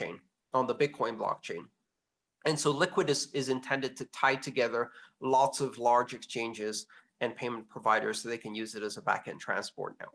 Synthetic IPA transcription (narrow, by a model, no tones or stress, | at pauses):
ḛ̃ɪ̃n | ə̃nðəbɪd̚kʰɔ̃ɪ̃nblɑ̰k̚t͡ʃʰẽɪ̃n | ʔɨ̃nsoʊlɪkwɨɾɨzɪzɨ̃ntʰɛ̃ndɨd̚tʰɨtʰaɪtʰɨɡɛðə˞lɔtsʌvlɑɹd͡ʒɨkst͡ʃʰẽɪ̃nd͡ʒɪz | ɨ̃npʰẽɪ̃m̃n̩pʰɹ̥əvaɪɾə̰˞z̥soʊðeɪkʰɨ̃njʉzɨɾɨzəbæ̰kɨ̃ntʰɹ̥æ̰̃nspɔ̰ɹtⁿna̰ʊ